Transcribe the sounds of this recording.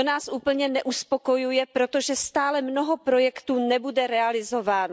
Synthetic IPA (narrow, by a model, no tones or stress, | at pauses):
onaːsʔuːpl̩ɲɛnɛʔuspo̞kojujɛpɾo̞t̪o̞ʒɛst̪aːlɛmnoɦopɾo̞jɛkt̪uːnɛbudɛɾɛalɪzo̞vaːno